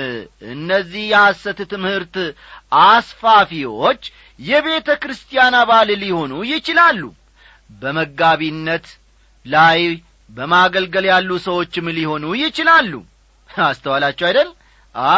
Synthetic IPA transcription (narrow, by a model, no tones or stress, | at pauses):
ʔɨ̰nːəzːihjɛhasːət̪t̪ɨmhɨɾt̪ | asfafiwo̞t͡ʃː | jɛβe̞t̪ʰəkɾɨst̪ʰijanaβalliho̞nujɪt͡ʃɪlalːṵ | bəməɡaβinːət̪ | laj | bəmaɡəlɡəljalːusəwo̞t͡ʃːɪmliho̞nujɪt͡ʃɪlalːṵ | ast̪ʰəwalat͡ʃːɛwajd̪əl | ʔa